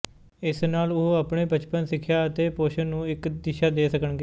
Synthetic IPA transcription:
ɪsnaːlʊɦoəpɳeːpət͡ʃpənsɪkʰːjaːət̪eːpoːʃənnũːɪkd̪ɪʃaːd̪eːsəkənɡeː

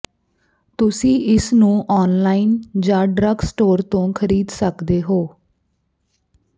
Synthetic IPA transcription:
t̪ʊsĩːɪsnũːʔɔːnlaːiːnd͡ʒãːɖɾəɡsʈoːɾt̪õːkʰəɾiːd̪səkd̪eːɦoː

